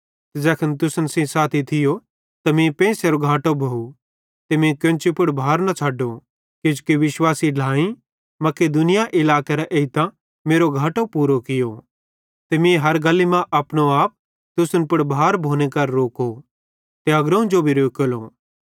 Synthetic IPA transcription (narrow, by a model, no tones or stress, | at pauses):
t̪ed͡zɛːkʰənt̪̬ʊsənsĩsaːt̪ʰit̪ʰɪjo | t̪ɐmĩpẽːseɾoɡʱaːʈobʱoːu | t̪emĩkɐ̃nt͡ʃipʊɽbʱaːɾnɐt͡ʃʰaːɖo | kɪd͡ʒkiʋɪʃwaːsiɖʱlaːĩ | mɐked̪ʊnɪjaʔɪlaːkeɾɛʔeɪt̪ã | meːɾoɡʱaːʈopuːɾokɪjo | t̪emĩɦɐɾɡɐlːimãʔɐpñoaːp̚ | t̪ʊsənpʊɽbʱaːɾbʱoːnekɐɾːoːko | t̪eɐɡɾɐũd͡ʒobʱiɾoːkəloː